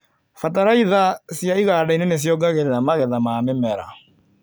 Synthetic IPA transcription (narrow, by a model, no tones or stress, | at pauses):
fataɾaiðasjaiɣaːdainenes̬jɔɡaɣeɾeɾamaɣɛðamamemɛɾa̰